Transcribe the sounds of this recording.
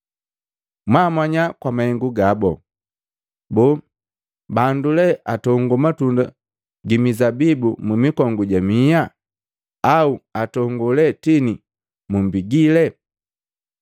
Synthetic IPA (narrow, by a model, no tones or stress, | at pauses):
mwaːmwaɲakwamahɛŋɡuɡabɔ | bɔ | bandulɛʔatɔŋɡɔmatunda | ɡimizabibumumikɔŋɡuɟamija | auatɔŋɡɔlɛtini | mumbiɡilɛ